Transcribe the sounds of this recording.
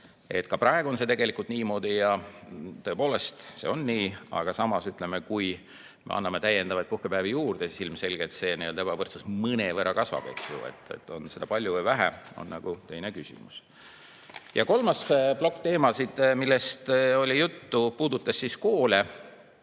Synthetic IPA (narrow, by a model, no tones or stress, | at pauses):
e̞̰t̪ːkɑprɑeɡuo̞nse̞t̪e̞ɡe̞likˑult̪niːmo̞ːd̪̥ijɑt̪ɤ̞epo̞ːle̞st̪sḛo̞nːiːɑ̰ɡ̥ɑsɑmɑsyt̪ˑle̞mekuj | mḛɑ̰nːɑme̞t̪æje̞nd̪̥ɑvɑjt̪̚puhkepæːvijuːrd̪̥esisilmse̞lʲɡ̥et̪se̞ːnijold̪e̥ɑvɤrt̪sɑsmɨne̞veɾʔɑkɑsvɑ̰pḛk̪sjṵḛt̪ˑːḛt̪ːˑo̞̰nse̞d̪̥ɑpɑlʲjuvɨjvæɦæ̰o̞̰nnɑɡ̥ut̪e̞jnekysʲḭmus | jɑko̞lmɑsblo̞kːt̪e̞ːmɑsid̪̥milːest̪o̞lʲijut̪ːupuːd̪̥ut̪ːˑɑsːiskoːle